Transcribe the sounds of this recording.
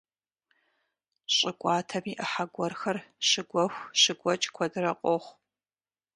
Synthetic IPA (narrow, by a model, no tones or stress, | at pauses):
ɕʼɪkʷʼɑːtʰɐmiːʔəħaɡʷɔrxɐrɕɨɡʷɔxʷɕɨɡʷɔt͡ʃʼkʷʰɔdɨrɐqʷʼoχʷ